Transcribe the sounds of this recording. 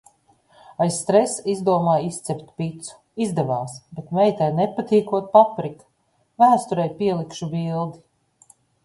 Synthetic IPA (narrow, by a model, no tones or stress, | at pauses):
ajsːt̪ɾɛsizd̪uɔmaːjist̪sɛpʲt̪pit̪su̥ | izd̪ɛvaːsbet̪mɛjt̪ɛjnɛpat̪iːkuɔt̪̚papɾik | væːst̪uɾɛjpiɛlˠikʃubilˠd̪i